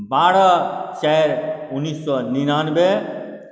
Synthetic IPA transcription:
baɽʌt͡ʃajɾunːisːɔninanbe

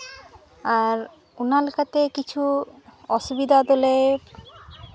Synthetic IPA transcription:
aɾ | unalkat̪ekit͡ɕʰuɔʃubid̪ʱad̪ole

